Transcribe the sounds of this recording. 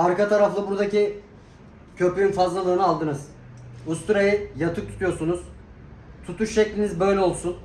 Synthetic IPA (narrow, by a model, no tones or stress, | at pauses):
aɾkat̪ʰaɾaflˠɯbuɾd̪aci | cʰø̞pʰyɾynfazlˠalˠɯːnɯalˠd̪ɯnɯz | ust̪ʰuɾajɯjat̪ʰɯk̚t̪ʰu̥t̪ʰujo̞ɾsunuz̥ | t̪ʰut̪ʰuʃʃɛclʲinizbø̞jlʲɛo̞lˠsun